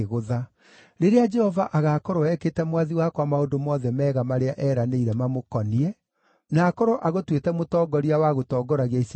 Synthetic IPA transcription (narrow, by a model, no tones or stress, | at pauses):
ɣoða | ɾeɾead͡ʒɛhɔvaʔaɣakɔɾɔɛkeːtɛmwaðiwakwamaondomɔːðɛmɛːɣamaɾeaʔɛːɾaneiɾɛmamokɔniɛ | naːkɔɾɔʔaɣotwetɛmotɔːɡɔɾiawaɣotɔːɡɔɾaɣais